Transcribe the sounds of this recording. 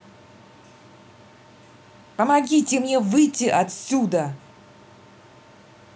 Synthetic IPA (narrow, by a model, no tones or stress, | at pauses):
pəmɐɡʲitʲɪmnʲe̞vɨjtʲːɪʔɐt̪sʲud̪ə